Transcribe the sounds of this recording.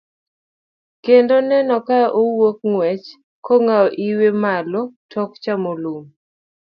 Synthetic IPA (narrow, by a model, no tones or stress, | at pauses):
kendonɛnɔkaʔowok̚ŋwɛt͡ʃ | koŋaɔʔiwemalɔtʰɔkt͡ʃamolum